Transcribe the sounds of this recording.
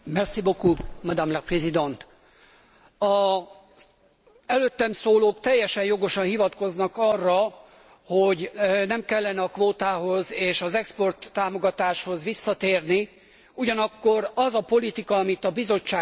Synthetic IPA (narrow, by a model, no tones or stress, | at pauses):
mɛrsibokumɑd̪amlɛprɛzid̪ont̪ | ɒ | ɛløːt̪ːɛmsoːloːkt̪ɛjːɛʃɛjjo̞ɡo̞ʃɒnhivɒt̪ko̞znɒkɒrːɒ | ho̞ɟnɛmkɛlːɛnɛɒkʋoːt̪aːɦo̞zeːʃɒzɛkspo̞rt̪ːaːmo̞ɡɒt̪aːʃho̞zʋisːɒt̪eːrni | uɟɒnɒkːo̞rɒzɒpo̞lit̪ikɒɒmit̪ɒbizo̞t͡ʃːaː